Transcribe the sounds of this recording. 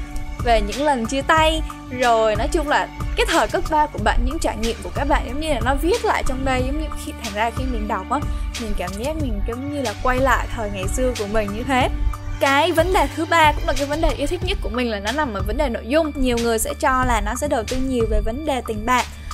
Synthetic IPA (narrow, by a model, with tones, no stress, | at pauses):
ve˨˩ɲɨ̰˧˥ŋlə˨˩nt͡ɕɨ˧ət̪a˧j | zo˨˩jnɔ˨˦jt͡ɕʊ˧ŋ͡mlaː˨˩kaː˨˦jt̪ʰəː˨˩jkə˦˥k̚ɓaː˧wku˧˩əɓa̰ː˧˨nɲɨ̰˧˥ŋt͡ɕaː˧˩ɲḭ˧˨əmku˧˩kaː˦˥k̚ɓa̰ː˧˨nzə˨˦ŋ͡mɲɨ˧laː˨˩nɔ˨˦vi˦˥ət̚la̰ː˧˨jt͡ɕɔ˧wŋ͡mɗə˧jzə˨˦wŋ͡mɲɨ̰˧xi˧t̪ʰaː˨˩ŋzaː˧xi˧nḭ˨˩nɗa˨˩wk͡p̚ʔaː˨˦mi˨˩ŋ̟kaː˧˩mɲɛ˦˥p̚mï˨˩ŋ̟zə˨˦ŋ͡mɲɨ˧laː˨˩kwa˧jla̰ː˧˨jt̪ʰəː˨˩jŋa˨˩jsɨ˧əku˧˩əmï˨˩ŋ̟ɲɨ˧t̪ʰe˨˦kaː˨˦jvə˨˦nɗe˨˩t̪ʰɨ˨˦ɓaː˧kʊ̰˧˥ŋ͡mla˨˩kaː˨˦jvə˨˦nɗe˨˩ʔi˧wt̪ʰï˦˥k̚ɲə˦˥t̚ku˧˩əmï˨˩ŋ̟laː˨˩nɔ˨˦na˨˩mʔəː˨˩və˨˦nɗe˨˩no̰˧˨jzʊ˧ŋ͡mɲi˨˩əwŋɨ˨˩əjsɛ̰˧˥t͡ɕɔ˧laː˨˩nɔ˨˦sɛ̰˧˥ɗə˨˩wt̪i˧ɲi˨˩əwve˨˩və˨˦nɗe˨˩t̪ï˨˩ŋ̟ɓa̰ː˧˨ʔ